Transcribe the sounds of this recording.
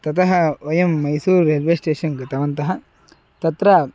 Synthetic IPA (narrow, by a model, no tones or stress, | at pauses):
t̪ɐt̪ʰɐɦɐɐjɐmːɐjsuːɾeːlʋeːsʈeːʂɐnɡɐt̪ɐʋɐnt̪ɐɦɐ | t̪ɐt̪ɾɐ